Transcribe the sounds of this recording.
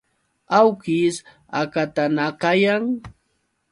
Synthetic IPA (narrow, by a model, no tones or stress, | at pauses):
awkɪs | akat̪anakajaŋ